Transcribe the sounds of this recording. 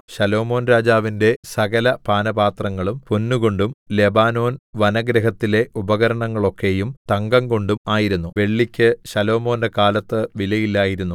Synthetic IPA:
ɕɐlo̞ːmo̞ːnɾaːd͡ʑaːʋinde̞sɐɣɐlɐpaːnɐbaːt̪rɐŋːɐɭumponːuɣo̞ɳɖumle̞baːno̞ːnʋɐnɐɡɾeɦɐt̪ːile̞ubɐɣɐɾɐɳɐŋːɐɭo̞kːe̞jumt̪ɐŋɡɐŋko̞ɳɖumaːjiɾunːuʋe̞ɭːikʲːɨɕɐlo̞ːmo̞ːndekaːlɐt̪ːɨʋilɐjilːaːjiɾunːu

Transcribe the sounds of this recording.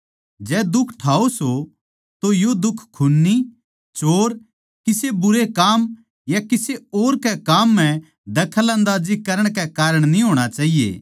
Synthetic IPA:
d͡ʒɛːd̪ʊkʰʈʰaːoso | t̪ojod̪ʊkʰkʰːʊnːi | t͡ʃoːɾ | kɪsebʊɾekaːm | jakɪseoːɾkɛkaːmːɛ̃ | d̪ɐkʰələ̃nd̪aːd͡ʒikɐɾəɽ̃kɛkaːɾəɽ̃nĩɦoːɽ̃at͡ʃaːɦijḛː

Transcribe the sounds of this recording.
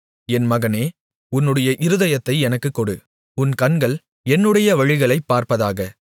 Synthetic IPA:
ɛnmɐɣɐneː | ʊnːɯɽɐjɐʔɪɾɯðɐjɐt̪ːɐɪɛnɐkːɯkːɔɽɯ | ʊnkɐɳɡɐɭ | ɛnːɯɽɐjɐʋɐɻɪɣɐɭɐɪpːaːɾpɐðaːɣɐ

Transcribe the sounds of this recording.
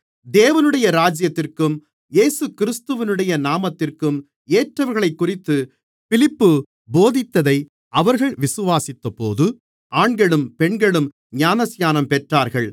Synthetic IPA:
d̪eːʋɐnɯɽɐjɐɾaːd͡ʒjɐt̪ːɪrkɯm | jeːsɯkɪɾɪst̪ɯʋɪnɯɽɐjɐnaːmɐt̪ːɪrkɯm | eːʈrɐʋɐɾɣɐɭɐɪkːʊrɪt̪ːɯ | fɪlɪpːɯ | boːðɪt̪ːɐðɐɪ | ʔɐʋɐɾɣɐɭʋɪsɯʋaːsɪt̪ːɐpoːðɯ | ʔaːɳɡɐɭɯmpɛɳɡɐɭɯm | ɲaːnɐsjaːnɐmpɛʈraːɾɣɐɭ

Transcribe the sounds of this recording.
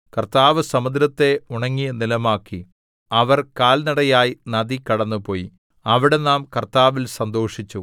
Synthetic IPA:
kɐrt̪aːʋɨsɐmɐd̪ɾɐt̪ːe̞uɳɐŋːijɐnilɐmaːkːi | ɐʋɐrkaːlnɐɽɐjaːjinɐd̪ikɐɽɐnːupo̞ːjḭ | ɐʋiɽe̞naːmkɐrt̪aːʋilsɐnd̪o̞ːʂit͡ɕːu

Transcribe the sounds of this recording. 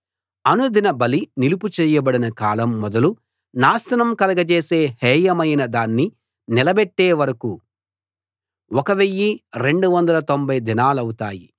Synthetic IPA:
ɐnud̪inɐbɐlinilup̬ut͡ʃɛːjɐbɐɽinɐkaːlɐmːɔd̪ɐlu | naːsɐnɐmkɐlɐɡɐt͡ʃeːseːhɛːjɐmɐjnɐd̪aːnːi | nɪlɐbɛʈːeːʋɐɾɐku | ɔkɐʋejːiɾe̞ɳɖuʋɐnd̪ɐlɐt̪o̞mbʱɐjd̪inaːlɐwut̪aːji

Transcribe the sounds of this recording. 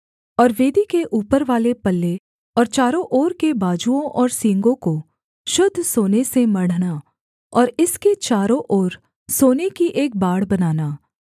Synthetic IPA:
ɔːɾʋeːd̪ikeʔuːpəɾʋaːlepɐlːe | ɔːɾt͡ʃaːɾõʔoːɾkebaːd͡ʒuõʔɔːɾsĩːŋɡõko | ʃʊd̪ʱːsoːnesemɐɽ̤na | ɔːɾɪsket͡ʃaːɾõʔoːɾ | soːnekiʔeːk̚baːɽbɐnaːnaː

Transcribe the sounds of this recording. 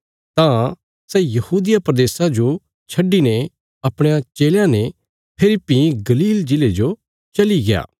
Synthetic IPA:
t̪ã | sɛjɐhuːd̪ɪjapɾɐd̪eːsad͡ʒo | t͡ʃʰɐɖːine | ɐpɽ̃ejãt͡ʃeːljãne | pʰɪlɪpːiɡɐliːld͡ʒɪled͡ʒo | t͡ʃɐliɡɪja̰ː

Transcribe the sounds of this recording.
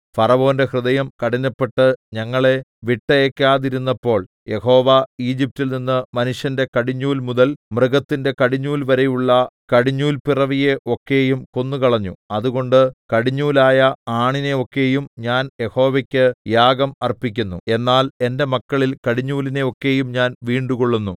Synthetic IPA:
fɐrɐʋo̞ːnde̞hrɨðɐjɐmkɐɽiɲːɐpːe̞ʈːɨɲɐŋːɐɭe̞ʋiʈːɐekːaːðiɾunːɐpːo̞ːɭ | je̞ho̞ːʋaiːd͡ʑip̚tilninːɨmɐnuʂjɐnde̞kɐɽiɲːuːlmuðɐlmrɨɣɐt̪ːinde̞kɐɽiɲːuːlʋɐɾe̞juɭːɐkɐɽiɲːuːlpirɐʋije̞ʔo̞kːe̞jumko̞nːukɐɭɐɲːuɐðuɣo̞ɳɖɨkɐɽiɲːuːlaːjɐaːɳine̞o̞kːe̞jumɲaːnje̞ho̞ːʋɐkʲːɨjaːɡɐmɐrpikʲːunːue̞nːaːle̞nde̞mɐkːɐɭilkɐɽiɲːuːline̞o̞kːe̞ːjumɲaːnʋiːɳɖukoɭːunːu

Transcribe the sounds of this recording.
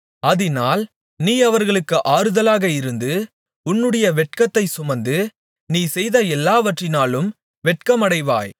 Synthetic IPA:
ɐðɪnaːl | niːɐʋɐɾɣɐɭɯkːɯʔaːɾɯðɐlaːɣɐɪɾɯnd̪ɯ | ʊnːɯɽɐjɐʋɛʈ̚kɐt̪ːɐɪsʊmɐnd̪ɯ | niːsɛjðɐɛlːaːʋɐʈrɪnaːlɯm | ʋɛʈ̚kɐmɐɽɐɪʋa̰ːj

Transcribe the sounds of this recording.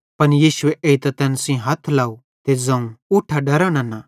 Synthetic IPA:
pɐnjiːsʊeʔeit̪ɐt̪ɛ̃ːnsĩɦɐt̪ʰlaːu | t̪ezɐ̃ũʊʈʰːaɖɐɾañanaː

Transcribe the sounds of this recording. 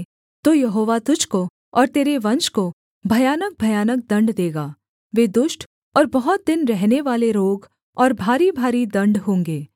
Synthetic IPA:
t̪ojɐɦoːʋat̪ʊd͡ʒʱko | ɔːɾt̪eːɾeʋɐ̃nʃko | bʱɐjaːnək̚bʱɐjaːnək̚d̪ɐ̃ɳɖd̪eːɡaː | ʋeːd̪ʊʃʈ | ɔːɾbɐɦʊt̪̚d̪ɪnɾɛɦneʋaːleɾoːɡ | ɔːɾbʱaːɾibʱaːɾid̪ɐ̃ɳɖɦõːŋɡeː

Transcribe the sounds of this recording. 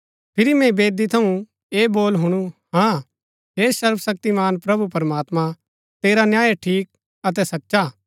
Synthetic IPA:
pʰɪɾimɛ̃beːd̪it̪ʰɐũ | eːboːlɦʊɽ̃uhã | ɦeːsɐɾbsɐk̚t̪imaːnpɾɐbupɐɾmaːt̪mã | t̪eːɾanjaːjʈʰiːk̚ | ɐt̪̬ɛsɐtːʃaː

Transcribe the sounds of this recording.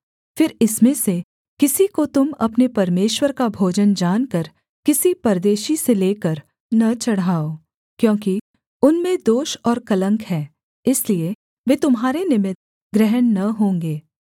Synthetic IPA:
fɪɾɪsmẽse | kɪsikot̪ʊmɐ̰pnepɐɾmeːʃwəɾkabʱoːd͡ʒənd͡ʒaːnkəɾ | kɪsipɐɾd̪eːʃiseleːkəɾ | nɐt͡ʃɐɽaːoː | kjõːki | ʊnmẽd̪oːʃɔːɾkɐlə̃ŋkɦɛː | ɪslie | ʋeːt̪ʊmɦaːɾenɪmɪt̪̚ | ɡɾɛɦənːɐɦõːŋɡeː

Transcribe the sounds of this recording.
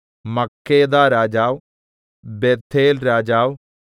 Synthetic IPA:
mɐkʰːeːd̪aːɾaːd͡ʒaːw | beːɾt̪ʰeːlɾaːd͡ʒaːw

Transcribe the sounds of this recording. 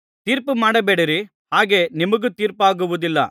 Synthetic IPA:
t̪iːɾpɯmaːɽɐbeːɽɐɾi | haːɡeːnimɐɡɯt̪iːɾpaːɡɯʋud̪ilːɐ̰

